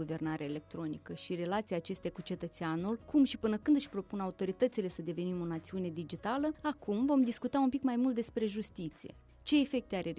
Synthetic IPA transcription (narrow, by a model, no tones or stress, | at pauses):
uve̞rnaɾeaele̞k̚t̪ɾo̞nikəʃire̞lat̪siaːt͡ʃe̞st̪eakut͡ʃe̞t̪ət̪seanulkʰumʃipɨnəkɨnd̪ɨʃʲpɾo̞punaut̪o̞ɾit̪ət̪sile̞səd̪e̞ve̞nimo̞nat̪siune̞d̪id͡ʒit̪aləakumvo̞md̪iskut̪aunmpikmajmult̪d̪e̞spɾe̞ʒust̪it̪sije̞̰ | t͡ʃe̞ːfe̞k̚t̪eaɾe